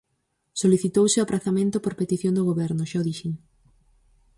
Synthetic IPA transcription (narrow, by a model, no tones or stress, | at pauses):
soliθit̪owseapɾʔaθamẽnt̪ʊpoɾpet̪iθjõŋd̪ʊɣoβɛɾnʊʃaðiʃiŋ